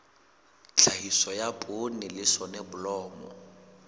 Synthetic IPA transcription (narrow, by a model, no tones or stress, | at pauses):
t͡ɬʰahisɔjapʼonɪlɪsɔnɛbʊlɔːmɔ̰